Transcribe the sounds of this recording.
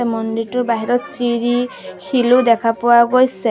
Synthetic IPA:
emɔnd̪iɾʈubaɦiɾɔt̪siɾikʰilud̪ekʰapuaɡɔjse

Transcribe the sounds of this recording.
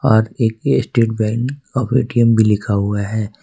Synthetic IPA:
ɔːɾeːkːsʈeːʈ̚bɛ̃ːŋkɔːpʰeːʈiəmbʱilɪkʰaɦʊaɦɛː

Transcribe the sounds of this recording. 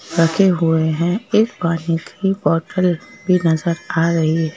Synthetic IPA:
ɾɐkʰeɦʊeɦɛ̃eːkbaːnikibɔːʈəl | bʱinɐzəɾaːɾɐɦiɦɛ

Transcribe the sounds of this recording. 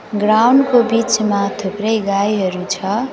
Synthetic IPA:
ɡrawnkobit͡smat̪ʰuprʌjɡajɦʌɾut͡sʰʌ

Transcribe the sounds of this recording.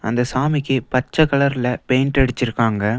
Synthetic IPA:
ɐ̰nd̪ɐsaːmɪkːɯpɐt͡ʃːɐkɐɭɐɾɪlɐpejnʈɐɽɯt͡ʃːɪɾɯkːaːŋɡɐ

